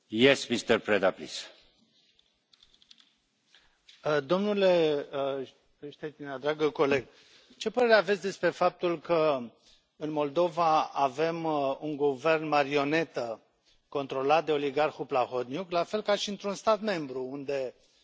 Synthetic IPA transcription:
jesmist̪əɾpɾed̪aplḭs | d̪o̞mnule̞ | ʃt̪einad̪ɾaɡəko̞le̞ɡ | t͡ʃe̞pəɾe̞ɾeavesʲd̪e̞spɾe̞fap̚t̪ulkə | ɨnmo̞ld̪o̞vaave̞muŋɡuve̞rnmaɾio̞ne̞t̪ə | ko̞nt̪ɾo̞lat̪̚d̪e̞o̞liɡarxuplaxot̪njuklafe̞lkaʃiɨnt̪ɾunst̪at̪me̞mbɾuund̪e̞

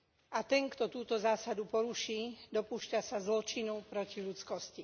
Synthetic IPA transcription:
ʔat̪ɛŋkt̪ɔt̪uːt̪ɔzaːsad̪upɔɾuʃiːd̪ɔpuːʃcasazlɔt͡ʃinupɾɔciʎut͡skɔsci

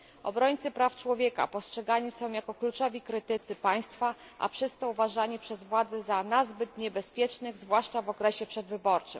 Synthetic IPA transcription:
ɔ̰bɾɔɲt̪sɘpɾaft͡ʂwɔvʲjɛka̰pɔstʂɛɡaɲisɔ̃w̃jakɔklut͡ʂɔvʲikɾɘt̪ɘt̪sɘpaj̃st̪fa | ʔa̰pʂɘst̪ɔuvaʐaɲipʂɛzvwad̪zɛzanazbɘt̪ɲɛbɛspʲjɛt͡ʂnɘɣzvwaʂt͡ʂavɔkɾɛɕɛpʂɛd̪vɘbɔɾt͡ʂɘ̰m

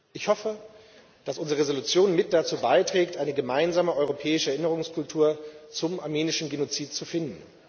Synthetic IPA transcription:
ʔɪçhɔfə | d̥asʔʊnzʁəʁezolut͡sjoːnmɪt̚d̥at͡suːbaɪtʁ̥ɛːktʔaɪnəɡəmaɪnzaːməʔɔʏʁ̞opʰɛːɪʃəɛɐʔɪnəʁ̞ʊŋskʰʊltʰuːɐt͡sʊmʔaɐmiːnɪʃn̩ɡenot͡siːtt͡sufɪndn̩

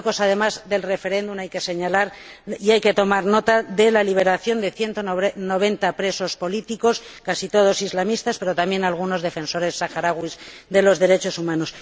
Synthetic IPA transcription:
ko̞saðe̞mazðe̞lre̞fe̞ɾe̞nd̪ũmnajke̞se̞ɲalaɾ | iajke̞t̪o̞maɾno̞t̪aðe̞laliβ̞e̞ɾaθjo̞nd̪e̞θje̞nt̪ono̞β̞e̞nt̪apɾe̞so̞spo̞lit̪iko̞skasit̪o̞ð̞o̞sizlamist̪aspe̞ɾo̞t̪amje̞nalɣ̞uno̞zðe̞fe̞nso̞ɾe̞sːaxaɾaɣwiz | ðe̞lo̞zðe̞ɾe̞t͡ʃo̞sumãno̞s

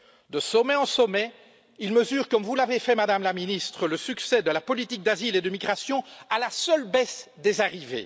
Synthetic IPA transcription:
d̪əsɔmɛɑ̃sɔmɛ | ilməzyːʁkɔmvulavefɛmad̪amlaminist̪χələsyksɛd̪əlapɔlit̪ik̚d̪aziled̪əmiɡʁasjɔ̃alasœlbɛsd̪ezaʁivḛ

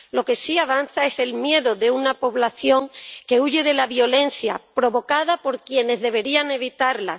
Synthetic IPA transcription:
lo̞ke̞siaβ̞anθae̞se̞lmje̞ðoðe̞unapo̞βlaθjo̞ŋke̞uʝe̞ðe̞laβjo̞le̞n̟θja̰pɾo̞βo̞kaðapo̞ɾkje̞ne̞zðe̞β̞e̞ɾiaŋe̞β̞it̪aɾla̰

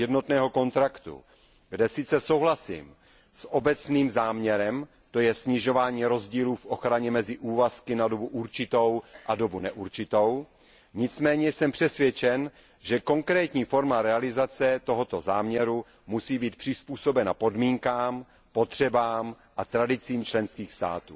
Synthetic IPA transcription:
jɛdno̞t̪nɛːɦo̞ko̞nt̪ɾakt̪ṵ | ɡdɛsɪt͡sɛsowɦlasḭːm | sʔobɛt͡sniːmzaːmɲɛɾɛm | t̪o̞jɛsɲɪʒo̞vaːɲiːɾo̞zɟiːluːfʔo̞xɾaɲɛmɛzɪʔuːvaskɪnado̞buʔuɾt͡ʃɪt̪o̞wʔado̞bunɛʔuɾt͡ʃɪt̪o̞w | ɲɪt͡smɛːɲɛsɛmpr̥ɛsvjɛt͡ʃɛn | ʒɛko̞ŋkɾɛːt̪ɲiːfo̞ɾmaɾɛalɪzat͡sɛt̪o̞ɦo̞t̪o̞zaːmɲɛɾu | musiːbiːt̪̚pr̥ɪspuːso̞bɛnapo̞dmiːŋkaːm | pot̪r̝̥ɛbaːm | ʔat̪ɾadɪt͡siːmt͡ʃlɛnskiːxst̪a̰ːt̪uː

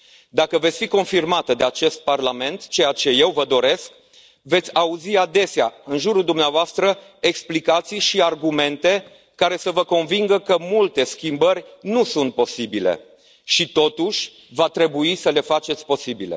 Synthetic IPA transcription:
d̪akəve̞t̪sʲfiko̞nfirmat̪əd̪e̞at͡ʃe̞st̪̚parlame̞nt̪t͡ʃe̞jat͡ʃe̞je̞wvəd̪o̞ɾe̞sk | ve̞t̪sʲauziad̪e̞seaɨnʒuɾuld̪umneavoast̪ɾə | e̞ksplikat̪sijʃiarɡume̞nt̪e̞ | kaɾe̞səvəko̞nviŋɡəkəmult̪e̞skʲimbərʲnusunt̪̚po̞sibile̞̰ | ʃit̪o̞t̪uʃʲ | vat̪ɾe̞buisəle̞fat͡ʃe̞t̪sʲpo̞sibile̞̰

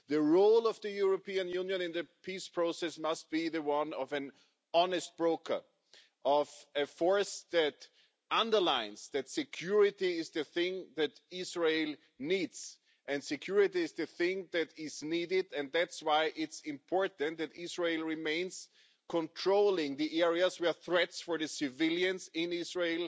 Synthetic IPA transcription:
ðɨɹoʊlˠʌvðɨjuɹopĩɨ̃njũnjɨ̃nɨ̃nðɨpʰispʰɹ̥oʊsɛsmʌst̚b̥iðɨwʌ̃nʌvɨ̃n | ɑnɨst̚b̥ɹoʊkʰə̰˞ | ʔʌvɨfɔɹsðɨt | ʌ̃ndə˞lãɪ̃nz̥ðɨtsɨkʰj̥ʊɹɪtiɪzðɨθɪ̃ŋðɨtɪzɹeɪlˠ | nidz̥ | ɨ̃ndsɨkʰj̥ʊɹɪtiɨzðɨθɪ̃ŋðɨɾɪzniɾɪdɨ̃n̚ðætswaɪʔɪtsɪ̃mpʰɔɹtnt̪̚ðɨtɪzɹeɪlˠɹɪmẽɪ̃nz̥ | kʰɔ̃ntʰɹ̥oʊlˠɪ̃ŋðiʔɛɹiɨzwɛ˞θɹɛtsfə˞ðɨsɨvɪlˠjɨ̃nzɪ̃nɪzɹeɪlˠ

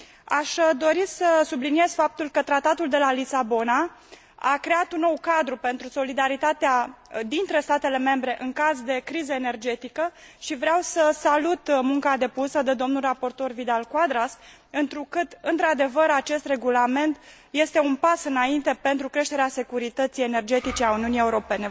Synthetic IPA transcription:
aʃd̪o̞ɾisəsublinije̞z̥fap̚t̪ulkət̪ɾat̪at̪uld̪e̞lalisabo̞na | akɾe̞at̪unːo̞wkad̪ɾupe̞nt̪ɾuso̞lid̪aɾit̪at̪ead̪int̪ɾe̞st̪at̪e̞le̞me̞mbɾe̞ʔɨŋkazd̪e̞kɾizəene̞rd͡ʒe̞t̪ikə | ʃivɾeawsəsalut̪muŋkad̪e̞pusəd̪e̞d̪o̞mnulrapo̞rt̪o̞rvid̪alkwad̪ɾas | ɨnt̪ɾukɨt̪ɨnt̪ɾad̪e̞vəɾat͡ʃe̞st̪re̞ɡulame̞nt̪ | je̞st̪e̞unpasɨnaint̪e̞pe̞nt̪ɾukɾe̞ʃt̪eɾease̞kuɾit̪ət̪sije̞ne̞rd͡ʒe̞t̪it͡ʃeauniunije̞uɾo̞pe̞ne̞

